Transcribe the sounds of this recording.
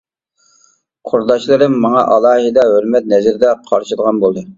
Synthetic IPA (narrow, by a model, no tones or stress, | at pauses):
qʰoɾd̪ɑʃlˠɨɾɨmːɑŋɑ̰ʔɑlˠɑːhɨd̪ɑɦølmɛt̪̚nɛzɪɾd̪ɛqʰɑɾʃɨd̪əʁɑnbolˠd̪ɨ